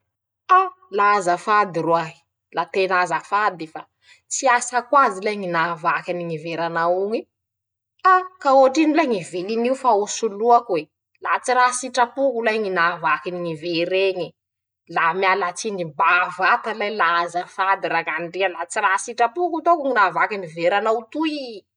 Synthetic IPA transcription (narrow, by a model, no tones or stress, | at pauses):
a | lazafad̪irwaɦi̥ | lat̪enazafad̪ifa | t͡siasakwazilajŋinavakaniŋiveɾanauŋi | akaoaʈ͡ʂinilajŋiveliniufausuluakuwe | lat͡siɾasiʈ͡ʂapukulajŋinavakiniŋiveɾeɲi | lamjalat͡sinimbavat̪alajlaazafad̪iɾaŋanɖ͡ʐialat͡sirasiʈ͡ʂapukut̪okŋinavakaniveɾanaut̪ui